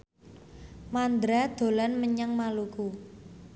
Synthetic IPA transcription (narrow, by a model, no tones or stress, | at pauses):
mand̪ɾad̪̥o̤lanməɲəŋmaluku